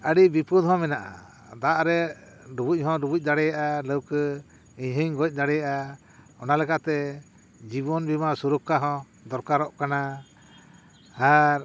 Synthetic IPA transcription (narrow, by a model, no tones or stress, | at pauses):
əɽibipud̪ɦɔ̃mɛnaʔa̰ | d̪aʔɾɛ | ɾubuc̚ˀɦɔ̃ɾubuc̚ˀd̪aɽɛjaʔaləwkə | iɲɦəɲɡɔc̚ˀd̪aɽɛjaʔa | ɔnalɛkaʔt̪ɛ | d͡ʒiβɔnbimasuɾukaɦɔ̃ | d̪ɔɾkaɾɔʔkana | aɾ